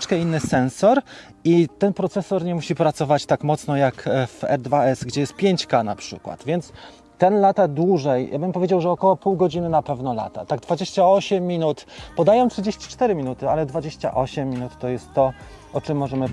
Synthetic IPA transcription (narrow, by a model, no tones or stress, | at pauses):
t͡ʂkɛinːɘsɛnsɔɾ | it̪ɛnpɾɔt̪sɛsɔɾɲɛmuɕipɾat̪sɔvat͡ɕt̪akmɔt̪snɔjakvɛ̰ɾd̪vaɛsɡd͡ʑɛjɛst̪̚pʲjeɲt͡ɕkana̰pʂɘ̰kwa̰t̪vʲjɛnt̪s | t̪ːɛnlat̪ad̪wuʐɛjja̰bɘmpɔvʲjed͡ʑawʐɛɔkɔwɔpuwɡɔd͡ʑinɘnapɛvnɔla̰t̪a̰t̪aɡ̚d̪vad͡ʑeɕt͡ɕaɔɕɛmːʲinut̪pɔd̪ajɔ̃mtʂɘd͡ʑeɕt͡ɕi̥t͡ʂt̪ɛɾɘmʲinut̪ɘalɛd̪vad͡ʑeɕt͡ɕa̰ʔɔɕɛmʲːinut̪ːɔjɛst̪ːɔ | ʔɔt͡ʂɘmːɔʐɛmɘ